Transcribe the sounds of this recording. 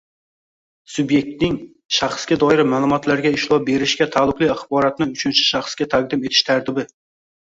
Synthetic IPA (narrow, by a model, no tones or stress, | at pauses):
sʊbje̞k̚t̪̚nɪŋ | ʃaχsɡʲad̪ɒɪɾmaːlˠʊmɒt̪ʰlaɾɡʲaɪʃlˠɒbe̞ɾɪʃkʲat̪ʰalˠʊqlˠɪaχbɒɾat̪nɪʊt͡ʃʰʊnt͡ʃʰɪ̥ʃɑχskʲat̪ʰaq̚d̪ɪmet̪ʰɪ̥ʃt̪ʰaɾt̪ʰɪbɪ